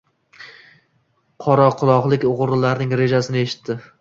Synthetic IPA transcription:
qʰɒɾɒqʰʊlˠɒʁlˠɪkʲʊʁɾlaɾnɪŋɾe̞d͡ʒasɪnɪe̞ʃɪ̥t̪ʰːɪ

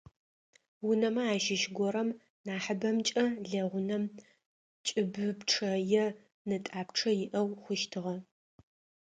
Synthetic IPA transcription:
wʊnɐmɐaːʃɪʃɡʷɔɾɐm | naːħəbɐmt͡ʃʼɐɮɐʁʷʊnɐm | t͡ʃʼɪbɨpʈ͡ʂʰɐjɛ | nɨtʼaːpʈ͡ʂʰɐjɪʔɐwχʷʊʃtʰɨʁɐ

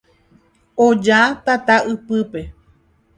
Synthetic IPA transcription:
õd͡ʒat̪at̪aɨpɨpe̞

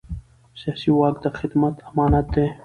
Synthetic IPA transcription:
sijaːsiwɑːkd̪axɪd̪mat̪ɐmɑːnat̪̚d̪e

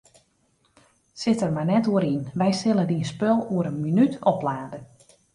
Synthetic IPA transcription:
sɪtərmajnɛtuəɾinʋɛjsɪlˠədiənspølˠuəɾənminytʰɔplaːdə

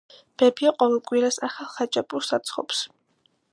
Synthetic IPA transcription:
b̥ɛbiaqʼɔvɛlˠkʼwiɾasaχalˠχat͡ʃʼapʼuɾˠsat̪sʰχɔ̰ps

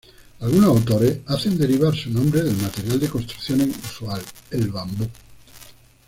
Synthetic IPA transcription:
alɣunawt̪oɾeaθend̪eɾiβ̞aɾsunõmbɾeðelmat̪eɾjald̪ekonst̪ɾuθjoneŋuswalelβambu

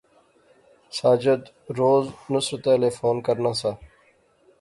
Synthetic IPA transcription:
saːd͡ʒəd̪ | ɾoːznʊsɾt̪aːleːfoːnkəɾnaːsaː

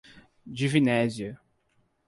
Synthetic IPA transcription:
d͡ʒivinɛzjɐ

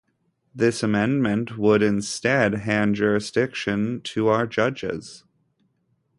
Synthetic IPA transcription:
ðɪsəmɛ̃nmɨ̃nʔwəɾɪ̃nstɛd̚ɦæ̃nd͡ʒʊɹɨsd̥ɪkʃɨ̃ntʰəaʊə˞d͡ʒʌd͡ʒɪ̰z̥

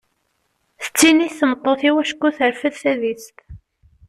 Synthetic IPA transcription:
θə̥t͡sːiniθθəmət̪ˤːoθiwæʃkːuθəɾfəðθæðist̪

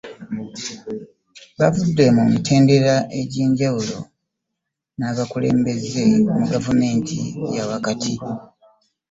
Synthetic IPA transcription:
βavudːe̞mumitʰe̞ːnde̞ɾaʔe̞ɟiːɲɟawulo̞̰ | naːβakule̞̰ːmbe̞ze̞muɡavume̞ːntʰḭjawakatʰi

